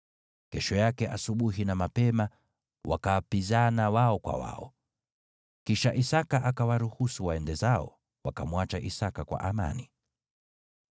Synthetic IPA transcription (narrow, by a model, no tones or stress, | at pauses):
kɛʃɔjakɛʔasuɓuɦinamapɛma | wa̰kawapizanawaɔkwa̰wa̰ɔ̰ | kiʃaʔisakaʔakawaɾuhusuwaɛndɛzaɔ̰ | wakamwat͡ʃaʔisakakwa̰ʔama̰ni